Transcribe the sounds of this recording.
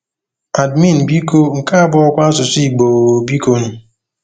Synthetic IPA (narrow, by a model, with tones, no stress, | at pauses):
a˨dmi˦˨n̩˨bi˦ko˦ŋ̩˨ka˦a˦bɔ˦ɔ˦kʷa˦sʊ˨si˦˨ɡ͡bo˨o˨bi˦ko˦nu˨